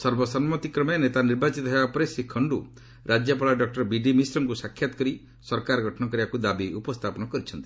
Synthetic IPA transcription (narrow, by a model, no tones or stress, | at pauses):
sɔɾbɔsɔnmɔt̪ikɾɔmenet̪aniɾbat͡ʃit̪ɔɦebapɔɾesekʰːɔɳɖu | ɾʔad͡ʒjɔpaɭaɖɔk̚ʈɔɾbiɖimisɾɔŋkusakʰjat̪ɔ̥kɔɾi | sɔɾkaɾɔɡʱɔʈʰɔnɔk̬ɔɾibakud̪abiupɔst̪ʰapɔnɔkɔɾit͡ʃʰɔnt̪i̥